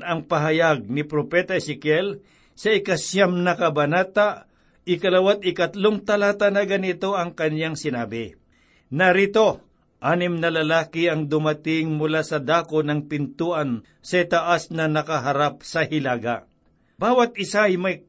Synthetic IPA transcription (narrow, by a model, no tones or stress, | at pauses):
ɐŋpɐɦɐjaɡ̚nɪpɾopɛt̪ɐɛsɛkjɛl | sɐɪkɐsjamnɐkɐbɐnaːt̪a | ɪkɐlɐwat̪̚ɪkɐt̪loŋt̪ɐlaːt̪ɐnɐɡɐnɪt̪o̞ɐŋkɐnjaŋsɪnaːbɪ | nɐɾiːt̪o̞ | ʔaːnɪmnɐlɐlaːkɪɐŋd̪ʊmɐt̪ɪŋmʊlasɐd̪aːkonɐŋpɪnt̪uːʔɐn | sɐit̪ɐʔasnɐnɐkɐɦɐɾap̚sɐhɪlaːɡa | baːwɐt̪̚ɪsajmɐj